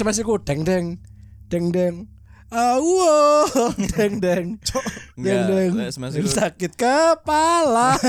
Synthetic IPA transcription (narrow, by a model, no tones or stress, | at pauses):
səmas̬ikuɖ̥ɛŋdɛŋ | ɖ̥ɛŋdɛŋ | auod̥ɛŋdɛŋ | dɛŋdɛŋssakɪt̪̚kəpala